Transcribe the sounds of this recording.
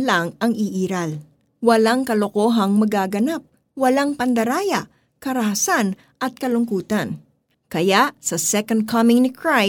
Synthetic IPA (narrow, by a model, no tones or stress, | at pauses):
laŋɐŋʔiʔiːɾɐl | wɐlaŋkɐlokoːɦɐŋmɐɡaːɡɐnap̚ | wɐlaŋpɐnd̪ɐɾaːjɐʔ | kɐɾɐhɐsan | ʔɐt̪̚kɐlʊŋkuːt̪ɐn | kɐjaʔsɐsɛkond̪̚kʰɐmɪŋnkʰɹa